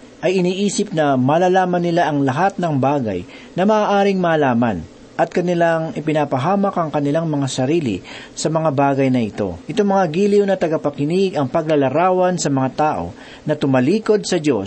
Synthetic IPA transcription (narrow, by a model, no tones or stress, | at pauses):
ʔɐjɪniːʔiːsɪp̚nɐmɐːlaːlaːmɐnːɪlaʔɐŋlɐɦat̪̚nɐŋbaːɡɐ̰j | nɐmɐʔaːʔaːɾɪŋmɐːlaːmɐ̰n | ʔɐt̪̚kɐnɪlaŋɪpɪnapɐɦaːmɐkʔɐŋkɐnɪlaŋmɐŋasɐɾiːlɪ̰ | sɐmɐŋabaːɡɐjnɐʔɪt̪o̞̰ʔɪt̪oŋmɐŋaɡiːliwnɐt̪ɐɡɐpɐkɪnɪɡɐŋpɐɡ̚lɐlɐɾaːwɐnsɐmɐŋat̪aːʔo̞̰ | nɐt̪ʊmɐliːko̞d̪̚sɐd͡ʒo̞̰s